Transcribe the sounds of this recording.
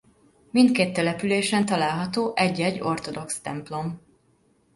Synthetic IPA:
mint̪keːt̪ːɛlɛpyleːʃɛnt̪ɒlaːlɦɒt̪oːʔɛɟːɛɟːo̞rt̪o̞d̪o̞kst̪ɛ̰mplo̞m

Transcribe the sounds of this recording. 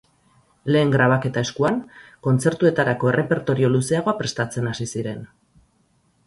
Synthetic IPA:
le̞ːŋɡɾaβ̞ake̞t̪ae̞skuanko̞nt͡se̞ɾt̪ue̞t̪aɾako̞e̞rʔe̞pe̞ɾt̪o̞ɾio̞luse̞aɣ̞o̞apɾe̞st̪at͡se̞nasisiɾe̞n

